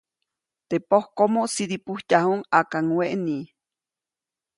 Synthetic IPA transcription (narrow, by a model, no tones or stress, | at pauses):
t̪epohkomoʔsidipuhc̪ahuŋakaŋweʔni